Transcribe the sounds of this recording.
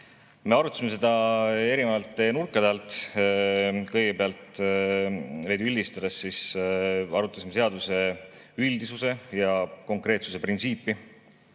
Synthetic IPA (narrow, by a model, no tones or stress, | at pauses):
me̞ɑɾut̪ˑːɑsimes̬e̞d̪̥ɑe̞ɾimɑvɑlt̪ːˑenurkˑːɑd̪̥ɑlt̪ˑ | kɤjɡ̥epeɑlt̪ | vejd̪̥uylʲːd̪ist̪ɑd̪̥esːis | ɑɾut̪ːˑɑsimee̞ɑd̪̥use̞ | ylʲd̪isuse̞jɑko̞ŋkre̞ːt̪su̥se̞print̪siːpːˑi